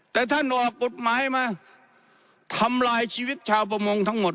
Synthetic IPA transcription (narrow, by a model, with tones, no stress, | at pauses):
t̪ɛː˨˩t̪ʰa˥˩nʔɔː˨˩k̚po˨˩t̪̚maː˨˦˥jmaː˧ | t̪ʰa˧mlaː˧jsʰiː˧wi˦˥t̪̚t͡ɕʰaː˧wpʰa˧mo˧ŋt̪ʰa˦˥˩ŋmo˨˩